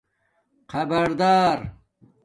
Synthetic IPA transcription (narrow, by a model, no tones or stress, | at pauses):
qɐbɐɾd̪aːɾ